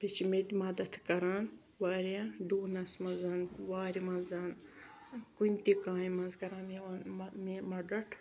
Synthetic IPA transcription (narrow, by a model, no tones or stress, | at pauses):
pet͡ʃʰimet̪ʲimɐd̪ɐt̪ʰkɐɾaːn | ʋaːɾiãːɖuːnɐsmɐzaːnʋaːɾimɐnzaːn | kunʲt̪ikaːimɐnzkɐɾãːnmnmimɐɖɐʈʰ